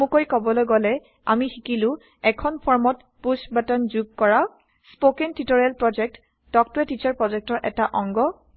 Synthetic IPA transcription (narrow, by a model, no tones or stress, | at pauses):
mũkojkɔbɔlɔɡɔlɛ | a̰mixikilʊ̃ | ɛkʰɔnpʰɔɹmɔt | pusbatanzuɡ̚kɔɹaw | spokɛntitoɹialpɹɔd͡ʒɛk̚t | dɔk̚tʊɛtit͡ʃaɹpɹɔzɛk̚tɔɹʔɛtaʔɔŋɡɔ